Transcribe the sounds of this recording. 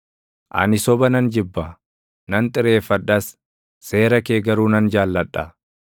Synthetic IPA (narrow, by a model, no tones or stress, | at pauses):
ʔɐ̰nɪsɔbɐnɐnd͡ʒɪbːɐ | nɐnt̪ʼɪɾe̞ːfːɐᶑɐs | se̞ːɾɐkeːɡɐɾuːnɐnd͡ʒaːlːɐᶑɐ